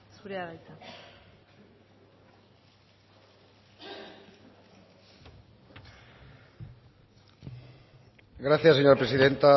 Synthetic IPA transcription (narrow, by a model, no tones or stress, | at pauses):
suɾeaβajt͡s̪a | ɡɾaθjasːeɲoɾapɾesiðe̞nt̪a